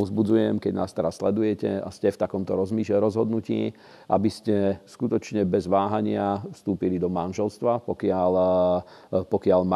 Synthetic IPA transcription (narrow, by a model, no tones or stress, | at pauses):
ɔzbud͡zujɛmkɛɟnaːst̪ɛɾasːlɛd̪ujɛcɛa̰scɛft̪akɔmt̪ɔɾɔzmiːɾɔzɦɔd̪nucḭː | ʔa̰biscɛskut̪ɔt͡ʃɲɛbɛzʋaːɦaɲɪafst̪uːpilid̪ɔmanʒɛlst̪ʋapɔkɪal | pɔkɪaʎm